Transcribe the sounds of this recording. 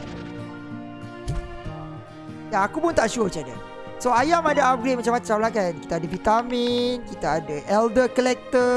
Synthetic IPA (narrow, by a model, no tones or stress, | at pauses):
jaːkupʊnt̪aʔʃuət͡ʃada̰ | soajamadaap̚ɡɾet̚mat͡ʃamat͡ʃamlakanki̥t̪aːdafit̪aminkit̪aadaʔɛldəkəlɛk̚t̪ə